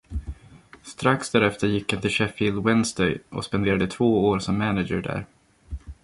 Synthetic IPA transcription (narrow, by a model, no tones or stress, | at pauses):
st̪ɾaksd̪æɾɛft̪əɾjɪkːɪnt̪ʰɪʂɛfɪld̪wɛnsd̪ɛjʔɔ̰spɛnd̪eːɾad̪ət̪ʰvoːoːɾsɔmːænɪd͡ʒəɖæ̰ɾ